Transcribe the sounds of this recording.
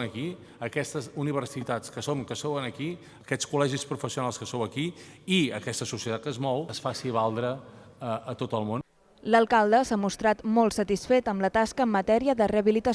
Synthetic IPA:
nəki | əkɛst̪əzuniβ̞əɾsit̪at͡skəsomkəsowənəki | əkɛt͡skulɛʒispɾufəsiunalˠskəsowəkiiə̰kɛst̪əsusiət̪at̪̚kəzmɔwəsfasiβalˠd̪ɾə | əʔət̪ot̪əlˠmon | ləlˠkalˠd̪əsamust̪ɾat̪molˠtsət̪isfet̪əmlət̪askəːmːət̪ɛɾiəðəreəβilit̪əs

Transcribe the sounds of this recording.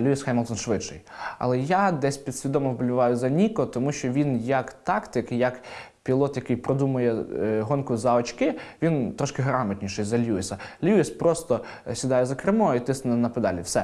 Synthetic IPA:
lʲuisxɑjmlˠt̪ɔnʃʋɪdʃɪjɐ̰lˠɛjad̪ɛsʲpʲid̪̥sʲʋʲid̪ɔmɔwbʊlʲʊʋɑjʊzɐnʲikɔt̪ɔmuʃt͡ʃɔʋʲinjɐkt̪ɑkt̪ɪkɪjɐk | pʲilˠɔt̪jɐkɪjpɾɔd̪umʊjɛɦɔnkʊzɐɔt͡ʃkɪʋʲint̪ɾɔʃkɪɦɾɑmɐt̪ʲnʲiʃɪjzɐlʲuisɐlʲuispɾɔst̪ɔ | sʲid̪ɑjɛzɐkɾɪmɔit̪ɪsnʊnɛnɐpɪd̪ɑ̰lʲɪwsɛ

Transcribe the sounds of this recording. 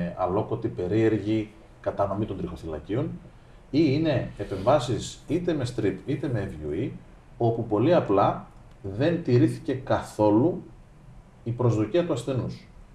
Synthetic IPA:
ɐ̰lo̞ko̞t̪ipe̞ɾie̞ɾʝi | kɐt̪ɐno̞mit̪o̞nd̪ɾixo̞θilɐ̰cio̞n | iine̞ːpe̞ɱvɐsisit̪e̞me̞st̪ɾipit̪e̞me̞ːvjṵi | o̞pupo̞liɐplɐ | ðe̞nt̪iɾiθi̥ce̞kɐθo̞lu | ipɾo̞zðuciɐt̪uɐsθe̞nus

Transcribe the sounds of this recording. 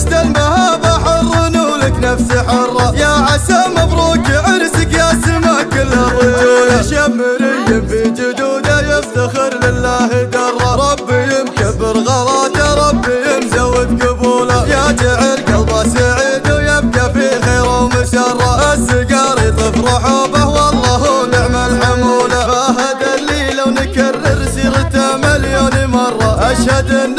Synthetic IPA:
t̪almahaːbaħʊrˤːnuːlɪknafsiħʊrˤːɑjaʕasamafɾˤuːkɪʕɪɾsɪkjasɪmaːkɪlːabʊuːjaʃabːɪɾɪjːɪfid͡ʒʊd̪uːd̪ajɪft̪axɪɾlɪlːaːhɪd̪ɑrˤːɑɾˤɑbːijɪmkabːɪɾɣɑlɑːt̪aɾˤɑbːijɪmzawːɪd̪qʊbuːlajad͡ʒaʕɪɾkalɾˤɑsaʕɪːd̪awjɪb̚ɡafixeːɾawmʊsɑrˤːɑʔasɪɡɑːɾˤt̪ˤɨfɾˤɑħuːbahwɑlˤːɑːɦunɪʕmalħʊmuːlaaɦad̪aliːlawnɪkarːɪɾsiːɾɪt̪aʕmaljaːnimɑrˤːɑʔaʃhad̪ɪnː

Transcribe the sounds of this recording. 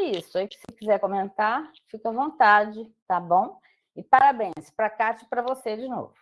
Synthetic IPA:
isʊaikɪ̥sɪkizɛɾkomẽnt̪aɾ | fikɐvõnt̪ad͡ʒɪt̪abõw̃ | ɪpaɾabẽj̃spɾɐkat͡ʃɪpɾɐvosed͡ʒɪno̰vʊ

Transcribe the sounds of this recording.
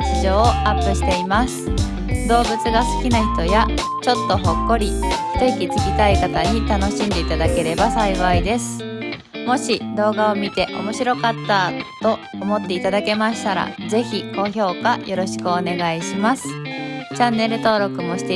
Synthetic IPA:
t͡ɕiʑo̞ːoapːɯ̟ɕi̥t̪e̞imasɨ̥ | d̪o̞ːbɯ̟t͡sɨɡasɨ̥kʲinaçi̥t̪o̞ja | t͡ɕo̞t̪ːo̞ɦo̞kːo̞ɾʲi̥ | t̪eikʲit͡sɨ̥ɡʲit̪aikat̪aɲ̟it̪ano̞ɕĩnd̪e̞it̪ad̪ake̞ɾe̞basaiβaid̪e̞sɨ̥ | mo̞ɕid̪o̞ːɡaomʲit̪e̞ʔo̞̰mo̞ɕiɾo̞kat̪ːat̪o̞ːmo̞t̪ːe̞it̪ad̪ake̞maɕi̥t̪aɾa̰ze̞çiko̞ço̞ːkajʔo̞ɾo̞ɕi̥kɯone̞ɡaiɕimasɨ̥t͡ɕãnːe̞ɾɯ̟t̪o̞ːɾo̞kɯ̟mo̞ɕi̥t̪e

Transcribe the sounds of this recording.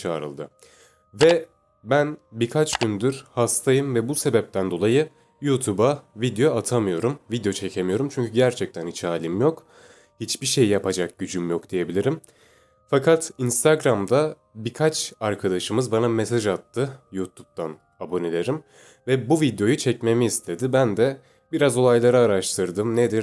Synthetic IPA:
t͡ʃʰaːɾɯ̰lˠd̪ɯ̰ | vɛ | bænbiɾkʰat͡ʃɟynd̪yɾhast̪ʰajɯmvɛbuse̞bɛp̚t̪ʰænd̪o̞lˠajɯ | juːt̪ʰubavid̪ejoat̪ʰamɯjo̞ɾumvid̪ejo̞t͡ʃʰe̞cʰemijo̞ɾumt͡ʃʰyɲcʰyɟæɾt͡ʃʰɛc̚t̪ʰænit͡ʃaːlʲimjo̞k | hit͡ʃbiʃe̞jjapʰad͡ʒak̚ɟyd͡ʒymjo̞kd̪̥ije̞bilʲiɾim | fakʰat̪inst̪ʰaɡɾamd̪a | bikʰat͡ʃaɾkʰad̪aʃɯmɯzbanamesaʒat̪ːɯjuːt̪ʰup̚t̪ʰan | abo̞nelʲeɾim | vɛbuvid̪jo̞jut͡ʃʰɛcme̞miːst̪ʰe̞d̪ibænd̪ɛ | biɾazo̞lˠajlˠaɾaːɾaʃt̪ʰɯɾd̪ɯmned̪iɾ

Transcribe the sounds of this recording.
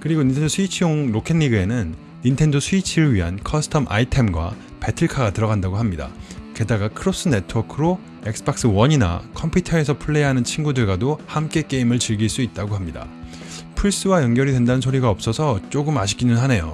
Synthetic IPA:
kɯɾiɡoɲintʰendosʰuit͡ɕʰioŋɾokʰe̞nːiɡɯe̞nɯnː | intʰe̞ndosʰuit͡ɕʰiɾɯɭɥiɦankʰʌsʰɯ̥tʰʌmʔa̰itʰe̞mɡwa̰ | pe̞tʰɯɭkʰaɡatɯɾʌɡandaɡoɦamɲida̰ke̞daɡakʰɯɾos͈ɯne̞tʰɯwʌkʰɯɾo | ek̚s͈ʰɯ̥bak̚s͈ɯwʌɲina̰kʰʌmpʰutʰʌe̞s̬ʰʌpʰuɭːeaɦanɯnt͡ɕʰinɡudɯɭɡwadohamk͈e̞k͈e̞imɯɭt͡ɕiɭɡiɭs͈uit̚t͈aɡoɦamɲida̰ | pʰuɭs͈ɯwajʌŋɡjʌɾidwe̞ndanɯnsʰoɾiɡaʌp̚s͈ʌsʰʌt͡ɕ͈oɡɯmaɕʰi̥k͈inɯnɦane̞jo̰

